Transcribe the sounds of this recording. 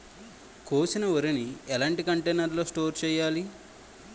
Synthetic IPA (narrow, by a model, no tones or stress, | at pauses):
koːsinɐʋɐɾiniɛlaːɳʈikɐɳʈeːnɐɾlo̞ːsʈo̞ːɾt͡ʃɛːjaːli